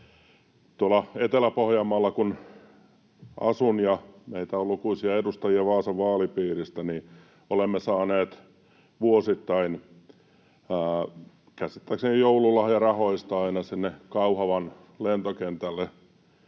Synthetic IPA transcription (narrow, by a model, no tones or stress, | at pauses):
t̪uolɑet̪elæpohjɑmːɑlːɑkun | ʔɑ̰sunjɑmeit̪æolukuisiɑedust̪ɑjiɑʋɑːsɑʋʋɑːlipiːrist̪æniː | olemːesɑːneːt̪ | ʋuosit̪ːɑin | əː | kæsit̪ːæksenijjoululːɑhjɑrɑhoist̪ɑɑinɑsinːekɑuhɑʋɑn | lent̪okent̪ælːe